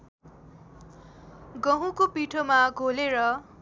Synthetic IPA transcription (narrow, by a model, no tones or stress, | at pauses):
ɡʌɦũkopiʈʰomaɡʱoleɾʌ